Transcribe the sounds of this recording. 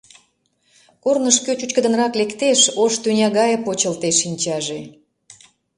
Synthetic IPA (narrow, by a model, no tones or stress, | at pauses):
kornəʃkøt͡ɕut͡ɕkəd̪ə̆nrɑklekt̪eʃoʃt̪ynʲɑɣɑjəpot͡ɕəlt̪eʃːinʲt͡ɕɑʒe